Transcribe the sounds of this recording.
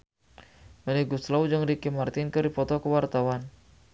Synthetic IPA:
məlɛɡuslawd͡ʒəŋɾikimart̪ɪnkəɾipɔt̪ɔkəwart̪awan

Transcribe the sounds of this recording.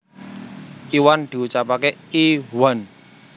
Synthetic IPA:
iwand̪̥i̤ut͡ʃapakeiwan

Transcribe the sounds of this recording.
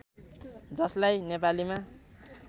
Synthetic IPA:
d͡zʌslajnepalima

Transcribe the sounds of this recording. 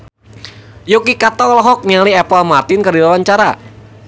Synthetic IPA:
jokikat̪ɔlɔɦɔk̚nialiɛpəlmat̪ɪnkadilawaɲt͡ʃaɾa

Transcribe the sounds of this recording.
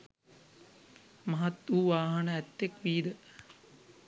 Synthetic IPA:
mɐɦat̪ʋuːʋaːɦɐnəæt̪ːekʋiːd̪ə

